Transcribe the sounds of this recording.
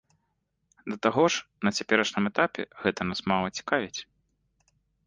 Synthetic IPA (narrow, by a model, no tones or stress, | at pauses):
d̪ɐt̪aɣɔʂnɐt͡sʲapʲɛɾɐʂnɨmɛt̪apʲɛ̰ɣɛt̪ɐnasmalˠɐt͡sʲi̥kavʲit͡sʲ